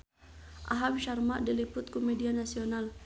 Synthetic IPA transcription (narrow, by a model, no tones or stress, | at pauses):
ʔa̰ɦawiʃarmaʔdilipʊt̪̚komedianasional